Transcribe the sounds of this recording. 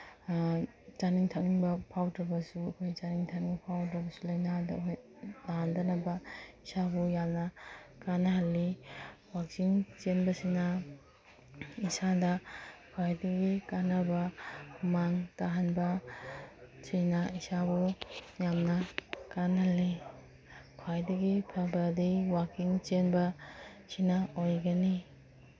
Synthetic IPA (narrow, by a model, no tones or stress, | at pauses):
t͡ʃaniŋtʰaŋibɐpʰawtɾɐbɐsuɐkʰojt͡ʃaniŋtʰaknipʰawtɾɐbɐsulɐjnadɐ̰kʰoj | aɦandɐnɐbɐisabɔjamnɐkanɐɦɐlːiwak̚siŋt͡ʃenbɐsinɐ | isadɐkʰajdiɡikanabamaŋtaɦanbɐ | sijnaisabujamnɐkanhɐlːi | kʰajdɐɡipʰabɾadijwakiŋt͡ʃenbɐsinaojɡɐni